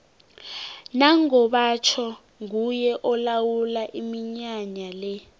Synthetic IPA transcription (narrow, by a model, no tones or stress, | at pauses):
naŋɔɓat͡ʃʰɔ | ŋujɛʔɔlawulaʔimiɲaɲalɛ